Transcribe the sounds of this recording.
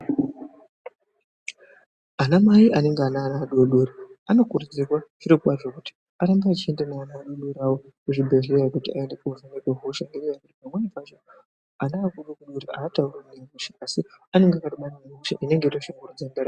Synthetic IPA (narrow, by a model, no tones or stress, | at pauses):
anamaiʔane̞ŋɡeanaːnaːɗoɗoɾiano̞kuɾud͡zirwaʐ̥iɾokuɓariʐokuti̥ | aɾambaat͡ʃie̞ndenaːnaːɗoɗuɾawo | kuʐibʱeʐejakutia̰e̞ndekouʐenekeɦoʃaŋɡeɾejakutipamwenifat͡ʃo | anaːkuɗokuɗoɾiaːtaurwenemuʃeʔasiane̞ŋɡeakatiɓanameɦuʃa̰ʔine̞ŋɡeitoʃaŋɡurud͡zandeɾa